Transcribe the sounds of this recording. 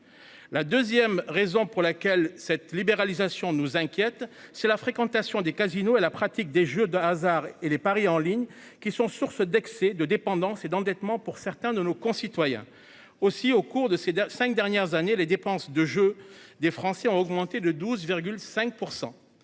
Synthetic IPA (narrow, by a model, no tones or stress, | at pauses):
lad̪øzjɛmʁezɔ̃puʁlakʲɛlsɛt̪libeʁalizasjɔ̃nuzɛ̃kʲjɛt̪sɛlafχekɑ̃t̪asjɔ̃d̪ekazinoelapχat̪ik̚d̪eʒød̪əazaʁelepaʁiɑ̃liɲ | kʲisɔ̃suʁsd̪ɛksɛd̪əd̪epɑ̃d̪ɑ̃sed̪ɑ̃d̪ɛt̪mɑ̃puʁsɛʁt̪ɛ̃d̪ənokɔ̃sit̪wajɛ̰̃ | osiokuʁd̪əsesɛ̃kd̪ɛʁnjɛʁzaneled̪epɑ̃sd̪əʒød̪efχɑ̃sɛɔ̃ɔɡmɑ̃t̪ed̪əd̪uzviʁɡʲylsɛ̃k̚puʁsɑ̰̃